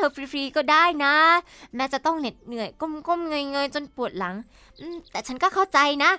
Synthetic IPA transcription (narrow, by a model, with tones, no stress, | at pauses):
t̪ʰəː˧˩fɾi˧fɾiː˧kɔː˧˩ɗaː˧˥˩jnaː˨˦ | mɛ˨˧˥t͡ɕa˨˧˩t̪ɔ˧˩ŋle˨˩n̚ŋɨ˨˩əjko˧mko˧˩mŋɨ˧jŋəː˧jt͡ɕo˧npu˨˩ət̚la˨˩˦ŋ | ʔɨ˧˩t̪ɛː˨˩t͡ɕʰa˨˦˥nkɔː˧˥xɔː˧˥˩t͡ɕa˧jna˨˦˥